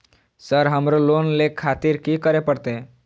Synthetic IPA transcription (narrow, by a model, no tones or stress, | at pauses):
səɾɦəmɾolonlekʰat̪iɾkikəɾepəɽt̪e